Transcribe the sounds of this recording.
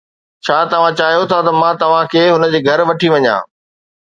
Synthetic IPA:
t͡ɕʰaːt̪ɐʋ̤ãt͡ɕaːɦijot̪ʰat̪ɐmãːt̪ɐʋ̤ãkʰeːɦʊnə̆d͡ʑeːɡʱɐɾʋɐʈʰiʋɐɲã̰ː

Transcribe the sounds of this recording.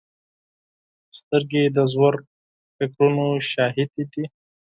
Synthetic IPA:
st̪əɾɡed̪əzwaɾ | fɪkɾunoʃɑɦɪd̪id̪i

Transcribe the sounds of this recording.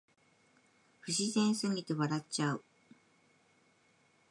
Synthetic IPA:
ɸɯ̟ɕizẽ̞ɰ̃sɨŋʲit̪e̞βaɾat͡ɕaɯ̟

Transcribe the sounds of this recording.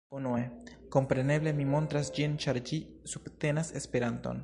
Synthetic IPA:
unue̞ko̞mpɾe̞ne̞ble̞mimo̞ntɾasd͡ʒint͡ʃaɾd͡ʒi | sub̥te̞nase̞spe̞ɾanto̞̰n

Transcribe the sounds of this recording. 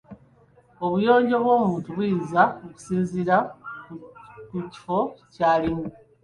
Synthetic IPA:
o̞βujo̞ːɲɟoβwo̞ːmuːntuβujizaoku̥siːnziɾa | kuci̥fo̞caːlimu

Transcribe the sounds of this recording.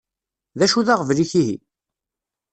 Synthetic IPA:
ðæʃuðaʁəvliçiɦḭ

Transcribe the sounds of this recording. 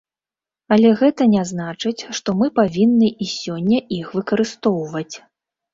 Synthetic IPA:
ɐlʲɛɣɛt̪ɐnʲɛznat͡ʂɨt͡sʲʂt̪ɔmɨpavʲinːɨisʲɔnʲːɐixvɨkɐɾɨst̪ɔwvɐt͡sʲ

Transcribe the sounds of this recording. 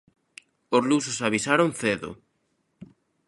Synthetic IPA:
ozlusʊsaβisaɾoŋθeðʊ̰

